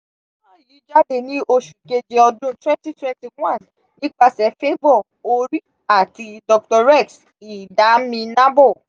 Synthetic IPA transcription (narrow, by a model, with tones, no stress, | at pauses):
a˨mã˦˨ji˨˦d͡ʒa˦de˦˨nĩ˦ʔo˧ʃu˨ke˧d͡ʒe˨ɔ˧dũ˦twɛ̃˦nti˦twɛ̃˦nti˨wã˦˨n | ni˦k͡pa˦˧sɛ˨˦fe˦bɔ˦˨ | o˧ɾi˦ | a˨ti˧dɔ˧k̚tɔ˧ɾɛ˦˨ks | i˨da˨˦mĩ˧nã˦bɔ˦˨